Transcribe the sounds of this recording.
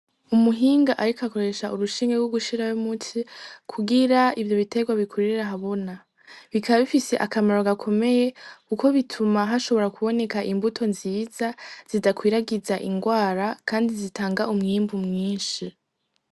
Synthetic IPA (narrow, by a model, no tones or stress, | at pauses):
umuɦiːŋɡaʔaɾikako̞ɾe̞ʃauɾuʃiːŋɡeɡwuɡuʃiɾajumutʰikʰuɡiɾaivjo̞βite̞ɡwaβikʰuɾiɾaɦaβo̞na | βikʰaβaβifise̞ʔakamaɾoɡakʰo̞me̞je̞kuko̞βitʰumaɦaʃo̞βoɾakuβo̞ne̞kaʔimbutʰo̞nziːzaz̥idakwiːɾaɡizaʔiŋɡwaːɾakʰaːndizitʰaːŋɡaumŋimbumŋiːnʃi